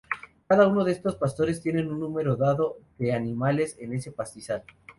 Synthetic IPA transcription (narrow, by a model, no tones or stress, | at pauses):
kaðauno̞ðe̞st̪o̞spast̪o̞ɾe̞st̪je̞ne̞nunːume̞ɾo̞ðaðo̞ðe̞anĩmale̞se̞ne̞se̞past̪isal